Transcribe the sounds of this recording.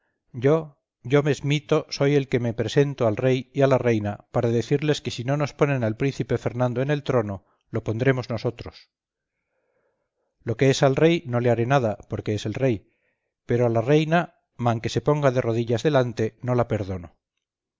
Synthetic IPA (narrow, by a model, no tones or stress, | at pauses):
ɟ͡ʝo | ʝo̞mezmit̪o̞so̞je̞lke̞mepɾe̞se̞nt̪oalre̞jialare̞jnapaɾaðe̞θiɾle̞ske̞sino̞no̞spo̞nẽ̞nalpɾin̟θipe̞fe̞ɾnãnd̪o̞ene̞lt̪ɾo̞no̞ | lo̞po̞nd̪ɾe̞mo̞zno̞so̞t̪ɾo̞s | lo̞ke̞esalre̞jno̞leaɾe̞nað̞apo̞ɾke̞ese̞lre̞j | pe̞ɾoalare̞jna | mãŋke̞se̞po̞ŋɡaðe̞ro̞ðiʎazðe̞lant̪e̞no̞lape̞ɾð̞o̞no̞